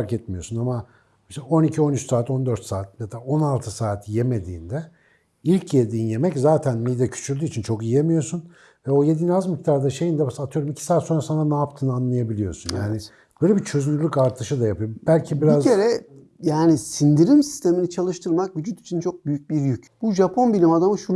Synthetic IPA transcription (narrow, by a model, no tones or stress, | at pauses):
faɾkɛt̪mijo̞sunama | mʃo̞nicʰio̞nyt͡ʃsaːt̪o̞nd̪ø̞ɾt̪saːt̪̚med̪ao̞nalˠt̪ʰɯsaːt̪ʰjeme̞d̪ḭːnd̪ɛ | ilʲcʰjed̪iːinje̞mɛczaːt̪ʰænmijd̪ɛcʰy̥t͡ʃʰyɾld̪yːt͡ʃʰint͡ʃʰo̞kijijemijo̞sun | vɛo̞je̞d̪inazmict̪ʰaɾd̪aʃe̞jind̪ɛbasat̪ʰɯjo̞ɾumicʰi̥saːt̪so̞nɾasananaːpt̪ʰɯnanlˠajabilʲijo̞̰sunjaːnɪ | b̥øːjlʲebit͡ʃʰø̞zymylʲykaɾt̪ʰɯʃɯd̪ajapɯjobælʲcʰibiɾiazcʰeɾɛ | jaːnisind̪iɾimsi̥st̪ʰe̞minit͡ʃʰalˠɯʃt̪ʰɯɾmak̚vyd͡ʒyt̪ʰi̥t͡ʃʰint͡ʃʰo̞k̚byjyc̚biɾjycb̥uʒapʰo̞nbilʲimad̪amɯʃu